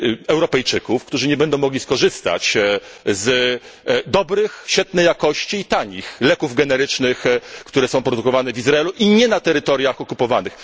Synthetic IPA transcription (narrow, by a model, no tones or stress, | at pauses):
ɛwɾɔpɛjt͡ʂɘkufkt̪uʐɘɲɛbɛnd̪ɔ̃w̃mɔɡlʲiskɔʐɘst̪a̰t͡ɕ | z | d̪ɔbɾɘxɕfʲɛt̪nɛjːakɔɕt͡ɕiːt̪aɲixlɛkuvɡɛnɛɾɘt͡ʂnɘxkt̪uɾɛsɔ̃w̃pɾɔd̪ukɔvanɛvʲizɾaɛluʔiɲɛnat̪ɛɾɘt̪ɔɾjaxɔkupɔvanɘx